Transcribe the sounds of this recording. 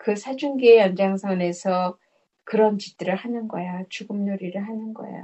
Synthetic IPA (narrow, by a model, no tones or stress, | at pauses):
kɯsʰad͡ʑunɡeejʌnd͡ʑaŋsʰʌne̞sʰʌ | kɯɾʌnt͡ɕit͈ɯɾɯɭhanɯnɡʌjat͡ɕuɡɯmɲoɾiɾɯɭhanɯnɡʌ̰ja̰